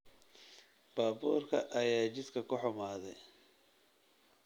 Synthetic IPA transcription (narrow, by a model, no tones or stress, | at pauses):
b̥aːbuːrkʰɐ̰ʔɐjaːt͡ʃɪd̪kʰɐkʰʊħʊmaːðɛj